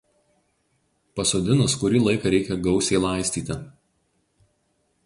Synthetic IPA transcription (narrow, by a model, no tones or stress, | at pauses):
pɐsoːd̪ʲɪnʊskʊɾʲiːlˠɐɪkɐɾʲɛɪkʲɛɡɒʊsʲɛɪlˠɐˑɪsʲt̪ʲiːt̪ʲɪ